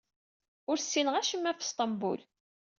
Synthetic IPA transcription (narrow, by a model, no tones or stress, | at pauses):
ʊɾsːinəʁæʃəmːæfst̪ˤɑmbṵl